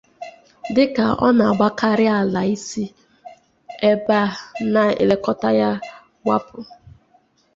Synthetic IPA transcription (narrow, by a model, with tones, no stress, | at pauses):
dɪ˦ka˨ɔ̰˦na˨a˨ɡ͡ba˦ka˦ɾɪ˦a˨la˨i˦si˦ | e˦ba˦˨na˨ḛ˨le˦kɔ˦ta˦ja˦ | ɡʷa̰˦pʊ˨